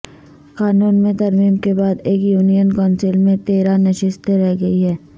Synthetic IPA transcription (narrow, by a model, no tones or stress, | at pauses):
kaːnuːnmẽt̪ɐɾmiːmkebaːd̪eːkjuːnijənkɔːnsɪlmẽt̪eːɾanɐʃɪst̪ɾɛɦɡɐiɦɛː